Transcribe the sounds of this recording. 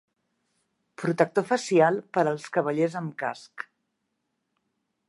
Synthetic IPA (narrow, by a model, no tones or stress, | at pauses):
pɾut̪ək̚t̪ofəsialˠpəɾəlˠskəβəʎezəmka̰sk